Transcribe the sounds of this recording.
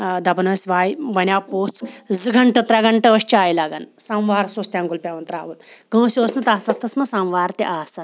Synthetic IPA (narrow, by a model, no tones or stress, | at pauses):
d̪ɐbɐnɐsʋaːjbɐnʲjaːpoːst͡szɨɡɐɳʈɐt̪ɾaɡɐɳʈɐəɕt͡ʃiaːjlaɡa̰nsamʋaːɾsoːst̪jãŋɡulpʲaʋɐnt̪ɾa̰ːʋulɡɐ̃wsʲoːsnɐt̪aːt̪ɐt̪ːɐsmɐsãwʋaːɾt̪iʔaːsɐn